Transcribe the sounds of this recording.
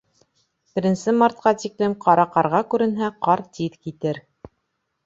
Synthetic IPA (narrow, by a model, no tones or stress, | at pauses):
bɘ̆ɾɘ̆nsɘmɑɾt̪̚qɑt̪iklɘmqɑɾɑqɑɾʁɑkʉɾɘ̆nɦæqɑɾt̪iðkit̪ɘɾ